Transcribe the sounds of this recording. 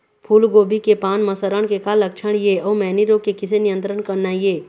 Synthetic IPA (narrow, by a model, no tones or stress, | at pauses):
pʰuːlɡoːbʱikepaːnməsəɾəɳ̃kekalːəkt͡ʃʰəɽ̃jeɔːmɛːniɾõkekɪsenijə̃nt̪ɾəɳkəɾnajeː